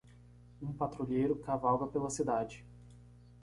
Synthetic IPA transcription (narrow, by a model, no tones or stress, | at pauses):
ũpat̪ɾuʎejɾʊkavalɡɐpelɐsid̪ad͡ʒɪ